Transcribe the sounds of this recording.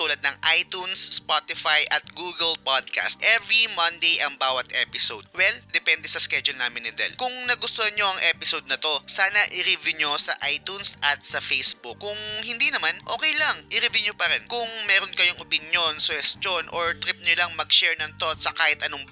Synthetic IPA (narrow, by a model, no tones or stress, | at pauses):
t̪uːlɐd̪̚nɐŋʔajt̪unsːpat̪ɪfajʔɐt̪̚ɡuːɡɛlpad̪̚ka̰st̪̚ʔɛvɾimɐnd̪ejʔɐŋbaːwɐt̪ʔɛpɪsod̪̚wɛld̪ɛpɛnd̪ɛsɐskɛd͡ʒʊlnaːmɪnɪd̪ɛ̰lkʊŋnɐɡʊst̪ohɐnɲoʔɐŋʔɛpɪsod̪̚nɐt̪o̞saːnɐʔɪɾɪvɪɲosɐʔajt̪unsʔɐt̪̚sɐfejsbʊkːʊŋhɪnd̪inɐmanʔo̰ːkɛjlɐŋʔɪɾɪviɲopɐɾɛnkʊŋmɛːɾonkɐjoŋʔopɪnjo̞nsʊhɛst̪jonʔoɹt̪ɾip̚ɲolɐŋmɐɡʃɛɹnɐŋt̪ot̪sɐkaːhɪt̪ʔɐnoŋ